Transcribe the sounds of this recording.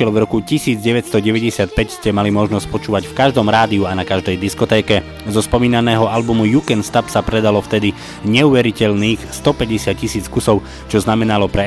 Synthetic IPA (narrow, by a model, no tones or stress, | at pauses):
ɛlvɾɔkucisiːd͡zɟɛʋɛt̪st̪ɔɟɛʋɛɟɛsɪat̪̚pɛcscɛmalimɔʒnɔsc̚pɔt͡ʃuːʋacfkaʒd̪ɔmɾaːd̪iuanakaʒd̪ɛjd̪iskɔt̪ɛːkɛ | zɔspɔmiːnanɛːɦɔalbumujukɛnst̪apsapɾɛd̪alɔft̪ɛd̪i | ɲɛuːʋɛɾicɛʎniːxst̪ɔpɛɟɛsɪat̪̚cːisiːt͡skusɔʊ | t͡ʃɔznamɛnalɔpɾɛ